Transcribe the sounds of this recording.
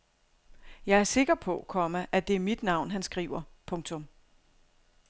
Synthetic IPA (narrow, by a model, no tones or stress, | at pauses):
jɑ̈ɪæɐse̝ɡ̥ɐpʰɔ̽kʰɒ̽məʔæd̥e̝æɐmid̥nɑ̈ʊ̰nɦænsɡ̥ʁḭːʊ̰ɐpʰɔ̽ŋt͡sʰɔ̽m